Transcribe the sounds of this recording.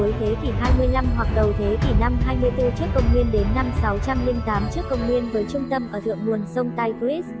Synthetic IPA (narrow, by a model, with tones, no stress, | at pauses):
jt̪ʰe˨˦t̪i˧˩ɦaː˧jmɨ˧əjla˧mɦwa˨˩k̚ɗə˨˩wt̪ʰe˨˦t̪i˧˩na˧mɦaː˧jmɨ˧əjt̪ɨ˧t͡ɕɨ˦˥əkːə˧˩wŋ͡mŋi˧ənɗe˨˦nːa˧msa˨˦wt͡ɕa˧mli˧mt̪aː˨˦mt͡ɕɨ˦˥əkːə˧wŋ͡mŋwi˧ənvəː˨˦jt͡ɕʊ˧ŋ͡mt̪ə˧mʔəː˧˩t̪ɨ̰˧˨əŋmu˨˩ənsə˧wŋ͡mt̪a˧jpi˦˥s